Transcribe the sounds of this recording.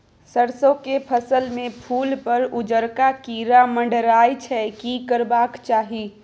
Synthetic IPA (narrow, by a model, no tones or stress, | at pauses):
səɾsõkepʰəsəlmẽpʰuːlpəɾʊd͡ʒəɾkakiːɾamə̃ɳɖɾaːjt͡ʃʰɛkikəɾbaːkt͡ʃaːɦi